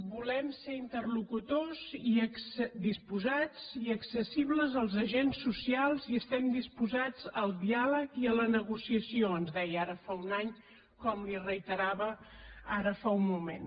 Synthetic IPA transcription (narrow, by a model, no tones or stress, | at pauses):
bulɛmseint̪ərlukut̪ozisd̪ispuzad͡ziəksəsiβləzəlˠzəʒensːusialˠziəst̪ɛmd̪ispuzad͡zəlˠd̪ialəkiələnəɣusiəsioənzðɛjəaɾəfaunaɲ | kɔmlirəit̪əɾaβəaɾəfaummumen